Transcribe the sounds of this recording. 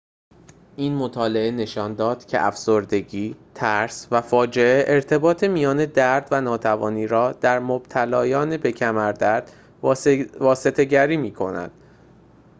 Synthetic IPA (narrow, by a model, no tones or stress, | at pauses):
ʔiːnmot̪ʰɒːle̞ʔene̞ʃɒːnd̪ɒːd̪̥cʰe̞̰ʔæfsoɾd̪e̞ɟiːt̪ʰæɾsvæfɒːd͡ʒe̞eʔeɾt̪ʰe̞bɒːt̪ʰemijɒːne̞d̪æɾd̪vænɒːt̪ʰævɒ̰ːniːɾɒːd̪̥æɾmob̥̚t̪ʰælɒːjɒːne̞be̞cʰæmæɾd̪æɾd̪̥ | vɒːset̪ʰe̞ɟæɾiːmiːkʰo̞̰næ̰d̪̥